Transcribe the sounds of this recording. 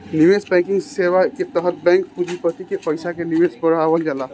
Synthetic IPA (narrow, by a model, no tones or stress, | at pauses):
nimesbɛ̃kɪŋɡsewaket̪əɦət̪̚bɛ̃ŋkpud͡ʒipət̪ikepəɪsakenimesbəɾaʋəld͡ʒala